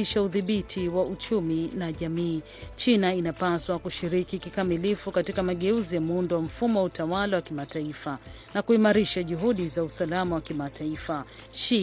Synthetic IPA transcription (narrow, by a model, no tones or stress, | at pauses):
iʃauðiɓitʰiwaut͡ʃuminaʄamiː | t͡ʃinainapaswakuʃiɾikikikamilifukatikamaɠɛuzijamundɔwam̩fumɔwautawalawakimataifa | nakuimaɾiʃaʄuɦuɗizausalamawakimatʰaifa | ʃi